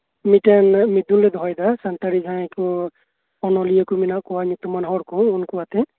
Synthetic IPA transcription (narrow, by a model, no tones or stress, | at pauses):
mitanmid̪unlɛd̪ʱɔɔjd̪asant̪aɾiɡʱãku | ɔnɔlijakuminaʔkɔwaɲɔt̪umanɦɔɽkɔɔnkuwat̪ɛ